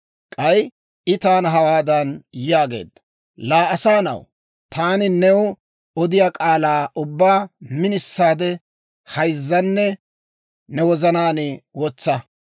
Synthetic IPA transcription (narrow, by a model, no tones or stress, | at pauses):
kʼɐj | ʔɪt̪aːnɐɦɐwaːd̪ɐnjaːɡe̞̰ːd̪ːɐ̥ | laːɐsaːnɐ̰w | t̪aːnɪnɛw | ɔd̪ɪjaːkʼaːlaːʔʊbːaːmɪnɪsːaːd̪ɛ | hɐjzːɐnːɛ | nɛwɔzɐnaːnɪwɔt͡sːɐ